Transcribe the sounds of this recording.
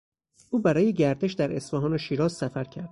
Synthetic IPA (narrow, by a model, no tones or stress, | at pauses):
ʔuːbæɾɒːjeɟæɾd̪e̞ʃd̪æɾe̞sfɒɦɒːnoʃiːɾɒːzsæfæɾcʰæɾd̪